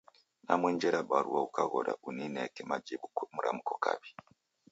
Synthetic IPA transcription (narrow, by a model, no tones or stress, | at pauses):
namwend͡ʒeɾaɓaɾuwaukaɣoɾa̰ʔunineakemad͡ʒiɓumuɾamukoka̰ɓi